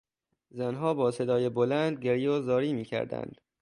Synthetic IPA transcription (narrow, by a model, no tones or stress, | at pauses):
zænɦɒːbɒːse̞d̪ɒːjebolænd̪̚ɟeɾijɒːzɒːɾiːmiːcʰæ̰ɾd̪æ̰nd̪̥